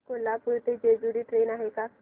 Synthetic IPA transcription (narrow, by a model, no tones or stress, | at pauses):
kolapuɾt̪ed͡ʑed͡ʑuɽiːʈɾenaɦeka